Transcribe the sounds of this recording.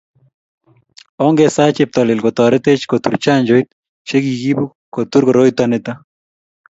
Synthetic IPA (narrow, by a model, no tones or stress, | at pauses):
ɔŋɡɛsat͡ʃɪp̚t̪ɔlɪlkɔt̪ɔɾɛt̪et͡ʃkot̪ṵɾt͡ʃaɲd͡ʒojt̪̚ | ʃekiɡibu | kot̪uɾkɔɾoit̪wanɪt̪a